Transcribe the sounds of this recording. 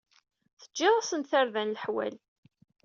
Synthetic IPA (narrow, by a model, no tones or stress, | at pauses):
θə̥d͡ʒːɪðˤasənt̪θaɾðænlħwæ̰l